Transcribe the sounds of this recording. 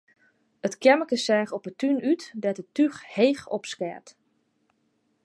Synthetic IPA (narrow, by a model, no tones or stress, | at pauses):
ətkɛməkəsɛːxɔpətynytdɛtətyxheːxɔ̰pskɛ̰ɹt